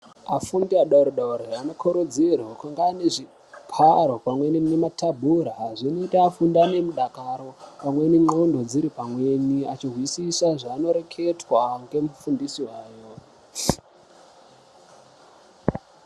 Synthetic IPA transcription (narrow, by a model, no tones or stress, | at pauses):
afundiaɗauɾeɗauɾeano̞kʰoɾod͡zirwakaŋɡaneʐi | kʰaɾo̞pamwe̞ninematabʱuɾaɦaʐinotiafundane̞muɗakaɾo̞pamwe̞niŋ͡ǃondo̞d͡ziɾipamwe̞niat͡ʃirwisisaʐaːno̞ɾe̞kʰe̞twaŋɡe̞mufundisiwaːjo